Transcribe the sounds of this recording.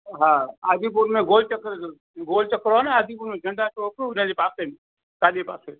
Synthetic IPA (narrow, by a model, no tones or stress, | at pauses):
ɦãaːd̪ip̬uɾmẽɡolt͡ʃəkɾ | ɡoːlt͡ʃəkɾonaaːd̪ipuɾmẽd͡ʒʱəɳɖat͡ʃokunad͡ʒepasene | kaːdipaːse